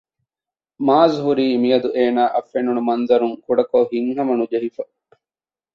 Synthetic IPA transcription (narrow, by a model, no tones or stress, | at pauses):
maːzɦuɾiːmijɐd̪uʔeːnaːʔɐfːenunumɐnzɐɾuŋkuɖɐkoɦiŋɦɐmɐnud͡ʒɐɦifɐ